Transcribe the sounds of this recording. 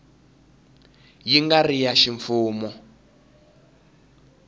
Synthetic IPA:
jiŋɡarijaʃiɱfuːmɔ

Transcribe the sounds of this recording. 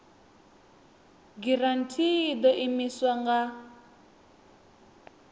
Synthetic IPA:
ɡiran̩tʰid̪ɔʔimiswaŋɡa

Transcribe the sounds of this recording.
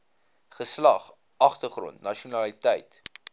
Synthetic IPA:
χəslɐχ | ɐχtərχrɔ̰̃ntnɐʃiunɐlitɛjt

